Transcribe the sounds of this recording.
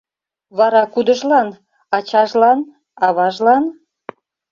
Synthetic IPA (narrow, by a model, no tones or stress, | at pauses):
βɑɾɑkud̪əʒlɑn | ɑt͡ɕɑʒlɑn | ɑβɑʒlɑn